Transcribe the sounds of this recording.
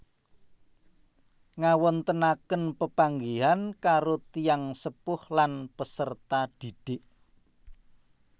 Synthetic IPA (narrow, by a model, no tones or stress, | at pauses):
ŋawɔnt̪ənakənpəpaŋɡiɦankaɾot̪ijaŋsəpʊhlanpəsərt̪ad̪̥i̤ɖ̥ɪʔ